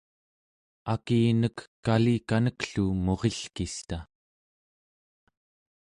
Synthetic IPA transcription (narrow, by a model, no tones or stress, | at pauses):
akiːnəkːalikanəkɬumo̞ʁeɬkist̪a